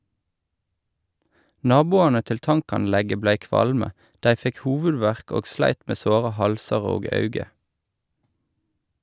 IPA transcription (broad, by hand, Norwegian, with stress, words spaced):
ˈnɑːbʊɑnə ˈtɪl ˈtɑŋkɑnˌlɛɡə ˈblæɪ ˈkʋɑlmə ˈdæɪ ˈfɛk ˈhuːʋʉˌdʋæʁk ˈoːɡ ˈslæɪt ˈmeː ˈsoːʁə ˈhɑlsɑʁ ˈoːɡ ˈɑʉɡə